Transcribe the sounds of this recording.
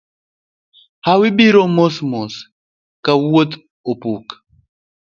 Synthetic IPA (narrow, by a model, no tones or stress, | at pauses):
hawibiɾomosmos | kaot̪ | opuk